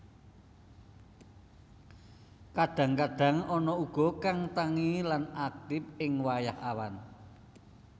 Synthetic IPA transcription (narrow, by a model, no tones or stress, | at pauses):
kaɖ̥ä̤ŋkaɖ̥a̤ŋɔnɔuɡ̥ɔ̤kaŋt̪aŋilanak̚t̪ɪp̚ɪŋwajahawan